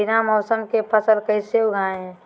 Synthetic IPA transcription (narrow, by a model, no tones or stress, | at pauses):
ɪnamɔʊsəmkepʰəsəlkəɪseuɡʱaːẽɦɛ̃